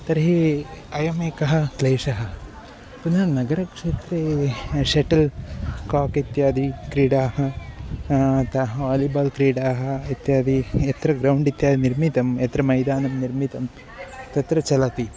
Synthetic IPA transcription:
t̪ɐɾɦeɐjɐmeːkɐɦɐ̆kleːʂɐɦɐ̆ | punɐnɐɡɐɾɐkʂeːt̪ɾeʃeʈɐlkaːkit̪jaːd̪ʱikɾiːɽaːɦɐ | t̪ɐɦɐʋaːlibaːlkɾiːɽaːɦɐit̪jaːd̪ʱiɐt̪ɾɐɡɾɐwɳɖit̪jaːd̪iniɾmit̪ɐmɐt̪ɾɐmɐjd̪aːnɐmniɾmit̪ɐm | t̪ɐt̪ɾɐt͡ʃɐlɐt̪i

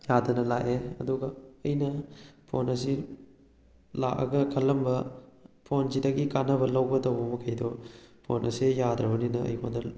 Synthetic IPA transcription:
jad̪ɐnɐlaʔeɐ̰d̪uɡɐɐjnɐpʰonɐsi | laʔɐ̰ɡɐkʰɐlːɐmbɐpʰonzidɐɡikanɐbɐlɐwbɐtɐwbɐmɐkʰɐjdopʰo̰nʔɐsejad̪ɾɐbɐninɐɐ̰jkʰondɐ

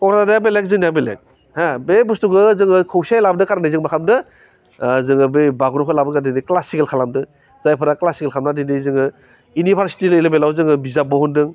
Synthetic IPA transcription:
ɔkɾananajabelek̚zɯŋnijabelḛk̚ | habebustuɡɯzɯŋɯkʰowsiajlabdɯkaɾanajzɯŋmakʰamdɯ | zɯŋɯbebaɡɾɔkʰɯlabɯkadidiklasikelkʰalamdɯ | z̥ajpʰɯɾaklasikelkʰamnadidizɯŋɯ | unibʰʱaɾsi̥tilɯjlabelawzɯŋɯbizabɔhundɯŋ

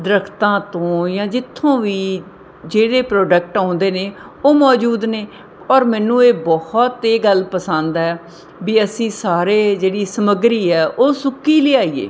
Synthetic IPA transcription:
d̪ɾəkʰt̪ãːt̪õːjãːd͡ʒɪt̪ʰːõːʋiː | d͡ʒeːɽeːpɾɔːɖək̚ʈãːʊ̃ːnd̪eːneː | oːmɔːd͡ʒuːd̪neː | ɔːɾmɛ̃ːnũːeːbɔhɔt̪eːɡəlpəsãːnd̪ɛː | biːəsĩːsaːɾeːd͡ʒeːɽiːsəməɡɾiːɛːʔoːsʊkiːleːaːiːḛː

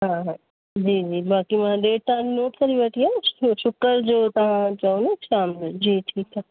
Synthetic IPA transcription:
ɦãɦ | d͡ʒiːd͡ʒiːbaːkimãɖeːʈ̚t̪annːoːʈkɐɾibɐʈʰijaʃʊkəɾd͡ʒoːt̪ɐɦãt͡ʃaːũnekʃaːmlod͡ʒiːʈʰiːkɛ

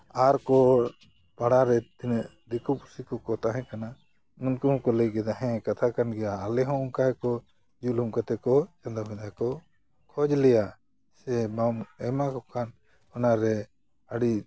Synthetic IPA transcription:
aɾkɔ | paɽaɾɛt̪inʔd̪ɛkupusikɔkɔt̪aɦɛ̃kana | munkuɦɔ̃kɔləjɡɛd̪aɦɛ̃kat̪ʰakanɡɛjaːlɛɦɔ̃umkaɛkɔ | d͡ʒulumkat̪ɛkɔt͡ʃand̪abʱɛd̪akɔ | kʰɔd͡ʒlɛja | sɛmamɛmakɔkʰan | ɔnaɾɛ | aɽi

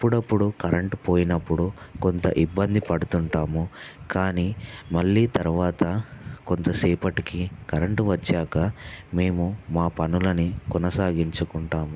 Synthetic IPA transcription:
ɐpːuɽɐpːuɽukɐɾeɳʈpo̞ːjinɐpːuɽukont̪ɐ̰ʔibːɐnd̪ipɐɽut̪uɳʈaːmukaːniːmɐɭːiːt̪ɐɾuʋaːt̪ɐkont̪ɐsiːpɐʈikikɐɾɐɳʈʋɐt͡ʃːaːkɐme̞ːmumaːpɐnulɐnikɔnɐsaːɡiɲt͡ʃukuɳʈaːmu

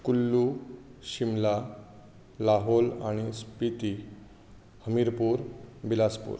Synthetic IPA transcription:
kulːuɕimla | laɦolaɽ̃ispit̪i | həmiɾpuːɾbilaspṵɾ

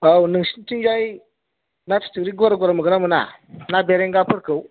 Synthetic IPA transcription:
awnəŋʃi̥ntind͡ʒai | nati̥tuɾiɡuwaɾaɡʷaɾamuɡənamuna̰nabeɾeŋɡapuɾkəu

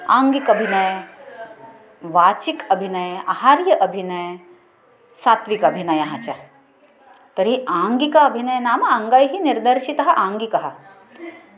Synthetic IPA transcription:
aːŋɡikɐbʱinɐj | ʋaːt͡ʃikɐbʱinɐjahaːɾjɐʔɐbʱinɐj | saːt̪ʋikɐbʱinɐjɐɦɐt͡ʃɐ | t̪ɐɾiʔaːŋɡikɐɐbʱinɐjɐnaːmɐɐŋɡajɦiniɾd̪ɐɾʃit̪ɐɦɐʔãːŋɡikɐɦɐ

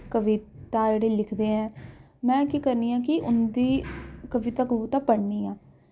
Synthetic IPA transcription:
kəʋɪtt̪aːd͡ʒeːɽeːlɪkʰd̪eːɦɛ̃ː | mɛ̃ːkiːkəɾniːãːkɪʔʊnd̪iːkəʋɪt̪aːkəbuːt̪aːpəɽniːãː

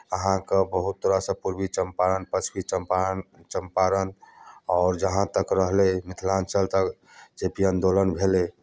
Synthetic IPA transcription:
əɦãkebəɦut̪̚ːoɾasə̃puɾbit͡ʃəmpaɾənpət͡ʃʰbit͡ʃəpt͡ʃəmpaɾənɔːɾd͡ʒəɦãt̪əkɾəɦlemɪt̪ʰlansəlt̪ək | d͡ʒepijənd̪olənbʱele

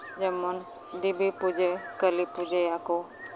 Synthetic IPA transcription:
d͡ʒəmɔn | d̪ibipud͡ʒekəlipud͡ʒejako

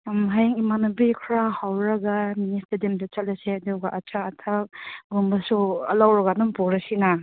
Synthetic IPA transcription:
mɦajaŋimanubikʰɾahawɾɐɡaministɐdimdɐt͡ʃalɐseɐduɡaʔat͡ʃʰaːtʰak̚ɡumbɐsuɐlawɾɐɡanumpɔɾɐsina

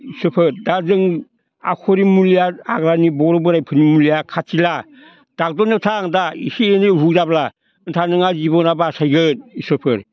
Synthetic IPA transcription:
isopʰɯɾdazɯŋ | a̰kʰoɾimulijaaɡɾanibɔɾobɯɾajpʰɯnimuliakʰatila | d̥ak̚dɔnɯtʰaŋdaḭsienɯɦudabla | ɯntʰanɯŋazibɔnabasajɡɯn̚isopʰɯɾ

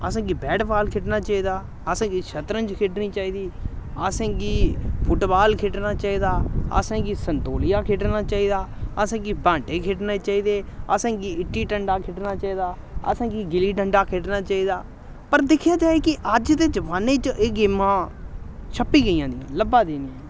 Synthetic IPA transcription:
əsãːɡiːbɛːɖbaːlkʰɪʈnaːt͡ʃaːiːd̪aː | əsãːɡiːʃʰət̪ɾə̃nd͡ʒkʰeʈnĩːt͡ʃaːiːd̪iːəːsẽːɡiːpʰʊʈbaːlkʰeʈnaːt͡ʃaːiːd̪aːə̰sãːɡiːsənt̪oːlɪjaːkʰɪʈnaːt͡ʃaːiːd̪aːəsãːɡiːbãːɳʈeːkʰeʈneːt͡ʃaːiːd̪eːa̰ːsẽːɡiːɪʈːiːʈəɳɖaːkʰɪʈnaːt͡ʃaːiːd̪aː | ə̰sẽːɡiːɡɪliːʈəɳɖaːkʰeʈnaːt͡ʃaːiːd̪aː | pəɾd̪ɪkʰjaːd͡ʒaːeːkɪʔəd͡ʒt̪eːd͡ʒəʋaːneːt͡ʃeɡɪːmãː | ʃʰəpːiːɡəiːãːd̪ijãːləbaːd̪eːniːã

